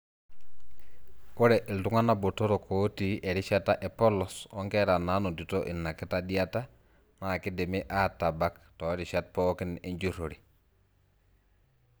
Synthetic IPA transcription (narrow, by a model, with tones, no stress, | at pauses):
u˦ɾɛ˨ʔi˨ltu˦ŋa˦na˦bo˨to˦ɾo˨kʰo˦ti˦ʔɛ˨ɾi˦ʃa˦ta˦ʔe˨pɔ˦lɔ˨sɔ˦ŋkɛ˦ɾa˨na˨˦no˨di˨to˦ʔi˨nːa˨ki˦ta˦di˦a˦ta˦ | na˨ki˦di˨mi˦ʔa˦ta˨ba˦ktɔ˨ɾi˨ʃa˦t̚pɔː˦ki˦nḭ˦ɲd͡ʒu˦ɾo˨ɾi˨